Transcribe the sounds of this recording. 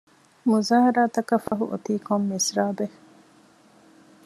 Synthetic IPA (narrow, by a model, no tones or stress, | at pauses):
muzaːɦɐɾaːt̪ɐkɐfɐɦṵʔo̰t̪iːkomːisɾaːbe